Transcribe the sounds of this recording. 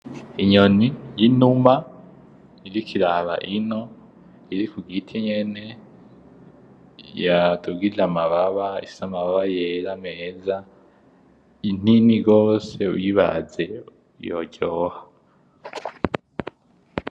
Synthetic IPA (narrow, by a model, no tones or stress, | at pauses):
iɲonijinuma | iɾikʰiɾaβa̰ʔino | iɾikuɡitʰiɲe̞ne̞ | jatuɡilamaβaβaisamaβaβajeɾameːza | in̥iniɡoːseṵjiβa̰ze̞ | jo̰ɟohḁ